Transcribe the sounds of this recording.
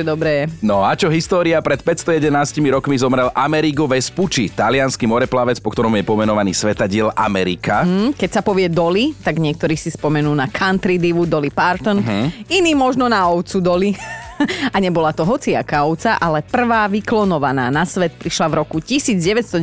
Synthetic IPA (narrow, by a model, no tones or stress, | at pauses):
ɛd̪ɔbɾɛɛnɔat͡ʃɔɦist̪ɔːɾiapɾɛt̪pɛt̪st̪ɔjɛd̪ɛnaːscimiɾɔkmizɔmɾɛlʔamɛɾiɡɔʋɛsput͡ʃit̪alɪanskimɔɾɛplaʋɛt͡spɔkt̪ɔɾɔmjɛpɔmɛnɔʋaniːsʋɛt̪aɟɪɛla̰mɛɾikakɛcsapɔʋɪɛd̪ɔlit̪aɡɲɪɛk̚t̪ɔɾiːsispɔmɛnuːnakʰant̪ɾid̪iʋud̪ɔlipaɾt̪ɔnɦiniːmɔʒnɔnaɔʊt͡sud̪ɔli | aɲɛbɔlat̪ɔɦɔt͡siakaɔʊt͡saʔalɛpr̩ʋaːʋiklɔnɔʋanaːnasʋɛt̪̚pɾiʃlaʋɾɔkucisiːd͡zɟɛʋɛt̪st̪ɔ